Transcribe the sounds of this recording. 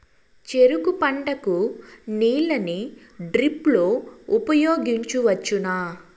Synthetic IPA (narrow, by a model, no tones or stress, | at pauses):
t͡ʃe̞ɾukupɐɳɖɐkuniːlɐni | ɖɾiplo̞ːupɐjoːɡiɲt͡ʃuʋɐt͡ʃːunaː